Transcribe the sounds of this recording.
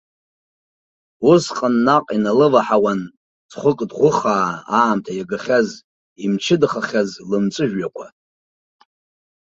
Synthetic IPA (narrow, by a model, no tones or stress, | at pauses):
usqʼənːaqʼinalɨvaħawan | d͡zχʷʊkʼdʁʷʊχaːaːmtʰajaɡaχʲaz | imt͡ʃʰɪdχaχʲazlɨmt͡sʼɨʒᶣakʷʰa